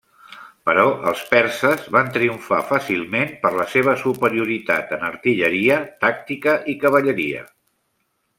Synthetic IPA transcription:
pəɾɔʔə̰lˠspɛɾsəzβant̪ɾiuɱfa̰fasilˠmenpəɾləseβ̞əsupəɾiuɾit̪a̰t̪ənəɾt̪iʎəɾiət̪ak̚t̪ikəʔikəβ̞əʎəɾiə̰

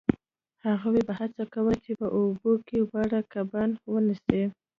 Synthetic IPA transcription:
haɣawebahat͡sakawət͡ʃepəʔobokeɣaɽakabanwənise

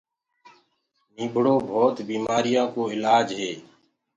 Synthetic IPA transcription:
miːbʱɽoːbʱoːt̪biːmaːɾɪjãːkoːɪlaːd͡ʒɦeː

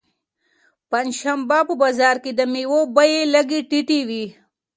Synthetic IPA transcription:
pɐnʃɐmbapəbazɑːɾkid̪əmiwobɐjelɐɡiʈiʈiwi

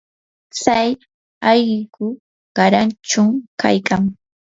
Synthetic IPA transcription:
t͡saj | ɑjɢɪkʊ | ɢ̥ɑɾant͡ʃʊŋka̰jkaŋ

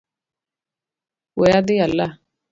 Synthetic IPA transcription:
wɛjad̪ɪalːa

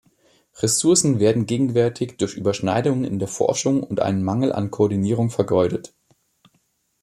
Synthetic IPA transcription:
ʁɛsʊɐsn̩veːɐdn̩ɡeːɡŋ̩vɛɐtʰɪçd̥ʊɐçʔyːbɐʃnaɪdʊŋənɪ̰ndeːɐfɔ̰ɐʃʊŋʊntʔa̰ɪnənmaŋl̩ʔa̰nkʰoːɐdiniːʁʊŋfɛɐɡɔʏɾət

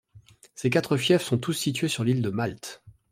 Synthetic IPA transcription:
sek̬at̪χəfjɛfsɔ̃t̪usːit̪ɥesyʁlild̪əmalt̪

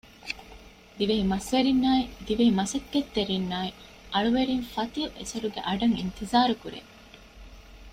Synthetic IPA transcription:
d̪iʋeɦimɐsʋeɾinːaːid̪iʋeɦimɐsɐkːet̪ːeɾinːaːi | ʔɐɭuʋeɾiŋfɐt̪iuʔḛsɐɾuɡḛʔɐɖɐŋḭnt̪izaːɾukuɾḛː

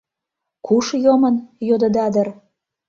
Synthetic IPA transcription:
kʰuʃjomə̆njod̪ə̆d̪ɑd̪ə̆r

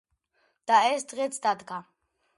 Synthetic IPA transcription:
d̪̥aɛsd̪ʁɛt̪sʰd̪ad̪ɡa

